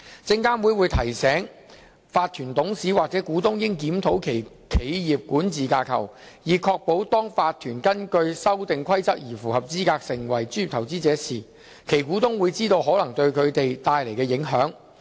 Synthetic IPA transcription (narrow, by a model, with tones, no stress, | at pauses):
t͡sɪ˧ŋkaː˥nwuː˨˧jwuː˨˧jt̪ʰɐ˨˩jsɛː˨˥ŋ | faː˧t̪ʰyː˨˩nt̪ʊ˨˥ŋsiː˨˥waː˨k̚t͡sɛː˨˥kuː˨˥t̪ʊ˥ŋjɪ˥ŋkiː˨˥mt̪ʰo˨˥wkʰe˨˩j | kʰe˨˥jjiː˨p̚kuː˨˥nt͡siː˨kaː˧kʰɐ̰˨˩w | jiː˨˩kʰɔː˧k̚po˨˥wt̪ɔː˥ŋfaː˧t̪ʰyː˨˩nkɐ˥nkɵ˧ɥsɐ˥wt̪ɪ˨ŋkʰɐ˥jt͡sɐ˥k̚jiː˨˩fuː˨˩hɐ˨p̚t͡siː˥kaː˧k̚sɪ˨˩ŋwɐ˨˩jt͡syː˥˩iː˨t̪ʰwt͡siː˥t͡sɛː˨˥siː˨ | kʰe˨˩jkuː˨˥t̪ʊ˥ŋwuː˨˧jt͡siː˥t̪o˧wɦɔː˨˥lɐ˨˩ŋt̪ɵ˧ɥkʰɵ˨˧t̪e˨jt̪aː˧jle˨˩jkɛː˧jɪ˨˥ŋɦœː˨˥ŋ